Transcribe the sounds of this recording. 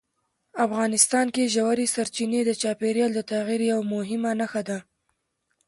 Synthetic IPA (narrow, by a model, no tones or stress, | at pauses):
afɣɑnɪst̪ɑnkeʒawaɾesaɾt͡ʃined̪ət͡ʃɑpeɾjɑld̪ət̪aɣiɾjawmʊɦɪmanaxad̪a